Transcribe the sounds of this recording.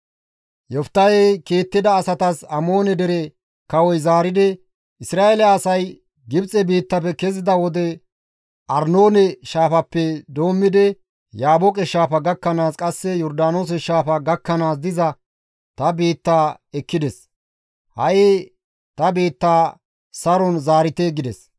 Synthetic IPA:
jɔft̪ːɐjɛkiːt̪ːɪd̪ɐːsɐt̪ɐsɐmo̞ːnɛd̪ɛɾɛ | kɐwɔjzaːɾɪd̪ɛ | ɪsɾaːelɛɐsɐj | ɡɪbt͡sʼɛbiːt̪ːɐpɛkɛzɪd̪ɐwɔd̪ɛ | ʔɐɾnoːnɛʃaːfɐpːɛd̪o̞ːmːɪd̪ɛ | jaːbɔkʼɛʃaːfɐɡɐkːɐnaːskʼɐsːɛjɔɾd̪aːnoːs̬ɛʃaːfɐɡɐkːɐnaːs̬d̪ɪzɐ | t̪ɐbiːt̪ːaː | ɛkːɪd̪ɛs | hɐ̰je | t̪ɐbiːt̪ːaː | sɐɾɔnzaːɾɪt̪eɡɪd̪ɛs

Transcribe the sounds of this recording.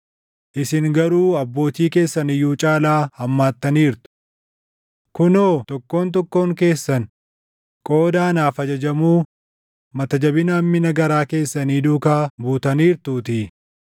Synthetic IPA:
ʔɪsɪŋɡɐɾuːɐbːo̞ːt̪iːke̞ːsːɐnɪjːuːt͡ʃʼaːlaːhɐmːaːt̪ːɐniːɾt̪ʊ̥ | kʊnoːt̪ɔkːo̞ːnt̪̬ɔkːo̞ːŋke̞ːsːɐn | kʼo̞ːd̪aːnaːfɐd͡ʒɐd͡ʒɐmuː | mɐt̪ɐd͡ʒɐbɪnɐmːɪnɐɡɐɾaːke̞ːsːɐniːd̪uːkaːbuːt̪ɐniːɾt̪uːt̪ɪ

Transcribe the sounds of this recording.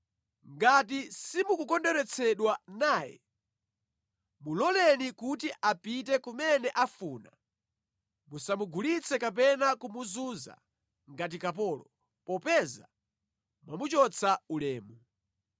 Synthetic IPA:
ŋɡatisimukukɔndɛɾɛt͡sʰɛɗwanaːjɛ̰ | mulɔlɛnikutiʔapit̬ɛkumɛnɛʔafuːna | musamuɡʱulit͡sʰɛkap̬ɛnakumuzuza̰ | ŋɡat̬ikap̬ɔːlɔ | pɔpɛza̰ | mamut͡ʃɔt͡sʰaulɛːmu

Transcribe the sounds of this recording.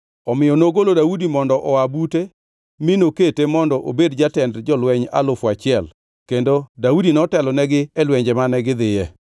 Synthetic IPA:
ɔmɪjɔnoɡolodaudimɔndɔʔɔabute | mɪnoketemɔndɔʔobedd͡ʒatɛndd͡ʒɔlwɛɲa̰lʊfat͡ʃɪɛl | kendodaudinɔtɛlɔnɛɡɪɛlwɛɲd͡ʒɛmanɛɡɪd̪ɪjɛ

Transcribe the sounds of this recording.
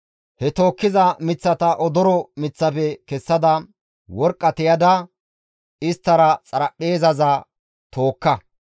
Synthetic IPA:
hɛt̪o̞ːkːɪzɐmɪt͡sːɐt̪ɐʔɔd̪ɔɾɔmɪt͡sːɐfɛkɛsːɐd̪ɐ | wɔɾkʼːɐt̪ɛjɐd̪ɐ | ɪst̪ːɐɾɐt͡sʼɐɾɐʔeːzɐzɐ | t̪o̞ːkːɐ

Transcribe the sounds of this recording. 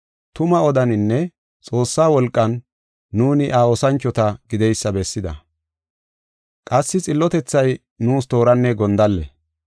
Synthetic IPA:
t̪ʊmɐɔd̪ɐnɪnːɛ | t͡sʼo̞ːsːaːwɔlkʼːɐnː | uːnɪʔaːɔsɐnt͡ʃːɔt̪ɐɡɪd̪ɛjsːɐbɛsːɪd̪ɐ̰ | kʼɐsːɪt͡sʼɪlːɔt̪ɛt͡sːɐj | nuːst̪o̞ːɾɐnːɛɡɔnd̪ɐlːɛ

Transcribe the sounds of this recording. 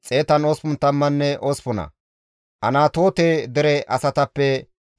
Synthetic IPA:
t͡sʼe̞ːt̪ɐnoːspʊnt̪ɐmːɐnːɛʔospʊnɐ̰ | ʔɐnaːt̪o̞ːt̪ed̪ɛɾɛʔɐsɐt̪ɐpːɛ

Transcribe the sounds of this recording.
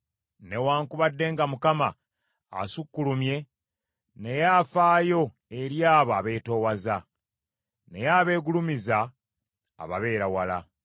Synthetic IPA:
ne̞waːŋkuβadːe̞ːŋɡamukama̰ː | sukːulumje̞ | ne̞jaːfaːjo̞ | e̞ɾjaːβaːβe̞ːto̞ːwaza | ne̞jaːβe̞ːɡulumiza̰ː | βa̰βe̞ːɾawala

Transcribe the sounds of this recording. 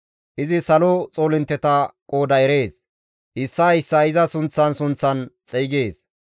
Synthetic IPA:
ʔɪzɪsɐlot͡sʼoːlɪnt̪ːɛt̪ɐkʼo̞ːd̪ɐɛɾeːs | ʔɪsːɐɪsːɐɪzɐsʊnt͡sːɐnsʊnt͡sːɐnt͡sʼɛjɡeːs

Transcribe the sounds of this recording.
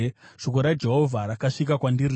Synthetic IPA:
ʂokoɾad͡ʒe̞ɦo̞vʱaɾakaʂik̬akwandiri

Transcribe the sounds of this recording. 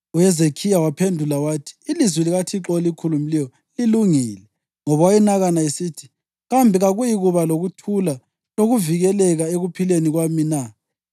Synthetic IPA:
ujɛzekʰijawapʰendʱulawaːtʰi̥ːlizwiliɣatʰiǁɔlikʰulumilɛjɔ | liluŋiːlɛ | ŋɔβawajinaɣanaisitʰi̥ | ɣambʱiɣaɣujiɣuβaloɣutʰula | loɣuviɣɛlɛɣaeɣupʰileniɣwamina

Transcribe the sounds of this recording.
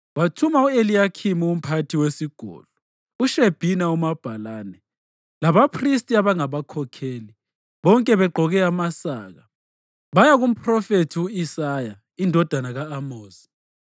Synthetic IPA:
βatʰumauelijakʰimium̩pʰatʰiwesiɡ̥ʱɔ̰lu | uʃeb̥ʱinaumab̥ʱalaːnɛ | laβapʰristʼiaβaŋaβakʰɔkʰeːli | βɔŋkʼɛβɛɡ͡ǃʱɔɣɛamasaːɣa | βajaɣum̩pʰrɔfetʰiuisaja | indʱɔd̥ʱanaɣaːmoːzi̥

